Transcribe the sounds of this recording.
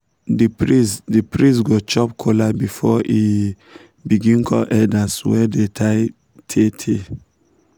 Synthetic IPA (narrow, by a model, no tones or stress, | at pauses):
dipisdipɹĩs̬ɡot͡ʃɔpkʰolabifɔi | biɡĩnkʰɔ̰lʔɛdaswɛdetʰaɪ | tʰetʰe